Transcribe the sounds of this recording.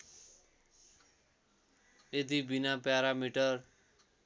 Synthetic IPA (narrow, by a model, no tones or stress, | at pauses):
et̪ibinapaːɾamiʈəɾ